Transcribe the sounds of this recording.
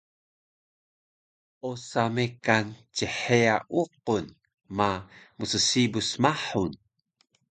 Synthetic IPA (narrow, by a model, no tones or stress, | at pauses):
ʔosamekant͡ɕəħeaʔuq̚un | mamusəsibusmaħun